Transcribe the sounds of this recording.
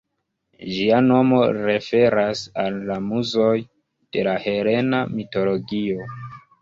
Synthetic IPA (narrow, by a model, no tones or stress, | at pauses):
ʒiano̞mo̞ɾe̞fe̞ɾasalːamuzo̞j | d̥e̞lahe̞ɾe̞namito̞lo̞ɡio̞